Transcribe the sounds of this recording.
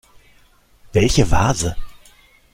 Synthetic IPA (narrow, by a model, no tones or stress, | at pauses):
vɛlçəva̰ːzə